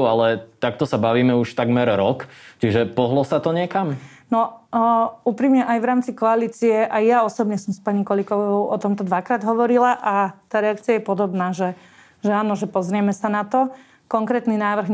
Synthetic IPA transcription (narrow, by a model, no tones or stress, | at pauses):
alɛt̪ak̚t̪ɔsabaʋiːmɛuʃt̪aɡmɛɾɾɔkt͡ʃiʒɛpɔɦlɔsat̪ɔɲɪɛkamnɔ | uːpɾiːmɲɛʔajʋɾaːmt͡sikɔaliːt͡siɛʔajjaɔsɔbɲɛsɔmspaɲikɔlikɔʋɔʊɔt̪ɔmt̪ɔd̪ʋakɾaːd̪ɦɔʋɔɾilaʔat̪aːɾɛakt͡siajɛpɔd̪ɔbnaːʒɛ | ʒɛaːnɔʒɛpɔzɾɪɛmɛsanat̪ɔ | kɔŋkɾɛːt̪ninaːʋr̩ɣ